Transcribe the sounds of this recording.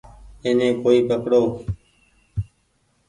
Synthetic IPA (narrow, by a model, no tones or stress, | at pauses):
eːnẽːkoːiːpəkɽoː